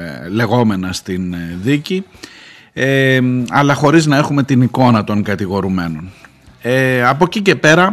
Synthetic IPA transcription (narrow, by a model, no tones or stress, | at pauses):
le̞ɣo̞me̞nɐst̪inðici | eɐlɐxo̞ɾiznɐe̞xume̞t̪iniko̞nɐt̪o̞ŋkɐt̪iɣo̞ɾume̞no̞n | eɐpo̞cice̞pe̞ɾɐ